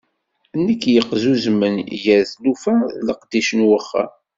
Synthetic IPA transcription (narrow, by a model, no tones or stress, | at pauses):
nːəkːjəqzuzmːənjəɾθlufæləqd̪iʃənwəχːa̰